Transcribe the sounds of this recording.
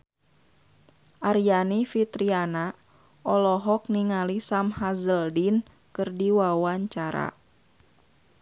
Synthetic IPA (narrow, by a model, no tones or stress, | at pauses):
ʔaɾijanifit̪ɾiana | ʔɔlɔɦɔk̚niŋalisamhazəldin | kɨrdiwawaɲt͡ʃaɾa̰